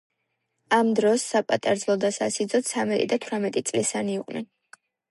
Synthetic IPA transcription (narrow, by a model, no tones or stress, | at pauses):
amd̪ɾɔsːapʼat̪ʼaɾd̪zlˠɔd̪asasid̪zɔt̪sʰamɛt̪ʼid̪at̪ʰwɾamɛt̪ʼit̪sʼlisaniːqʼnɛn